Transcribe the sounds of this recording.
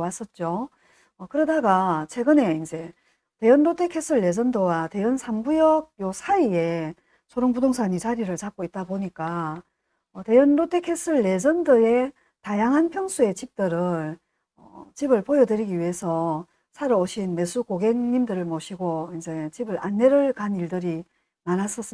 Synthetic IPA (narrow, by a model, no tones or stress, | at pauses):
was͈ʌt̚t͡ɕ͈o | ʌkɯɾʌdaɡat͡ɕʰwe̞ɡɯne̞ind͡ʑe̞ | te̞jʌnɾot͈ʰekʰe̞sʰɯɭːe̞d͡ʑʌndowate̞jʌnsʰamɡujʌɡ̚josʰaie̞ | sʰoɾoŋpudoŋsʰaɲit͡ɕaɾiɾɯɭt͡ɕap̚k͈oit̚t͈aboɲik͈a | ʌte̞jʌnɾotʰe̞kʰe̞sʰɯɭːe̞d͡ʑʌndɯe̞ | tajaŋɦanpʰjʌŋsʰue̞t͡ɕip̚t͈ɯɾɯɭ | ʌ̰t͡ɕibɯɭpojʌdɯɾiɡiɥiɦe̞sʰʌ | sʰaɾɯoɕʰinme̞sʰukoɡe̞ŋɲimdɯɾɯɭmʌɕʰiɡoind͡ʑe̞t͡ɕibɯɾanːe̞ɾɯɭkaniɭdɯɾi | manas͈ʌs͈ɯ